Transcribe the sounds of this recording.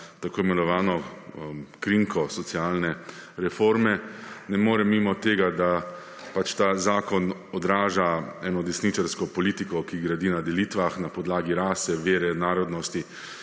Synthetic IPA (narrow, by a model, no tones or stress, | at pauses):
t̪akoːimɛnɔʋaːnɔ | kɾiŋkʰɔsɔt̪siaːlnɛɾɛfoɾmɛnɛmoːɾɛmimɔt̪eːɡad̪a | pat͡ʃt̪aːzaːkɔnɔd̪ɾaːʒaɛːnɔd̪ɛsnit͡ʃaɾskɔpɔlit̪ikɔkiɡɾad̪inad̪ɛliːt̪ʋaxnapɔd̪laːɡiɾaːsɛʋeːɾɛnaːɾɔd̪nɔst̪i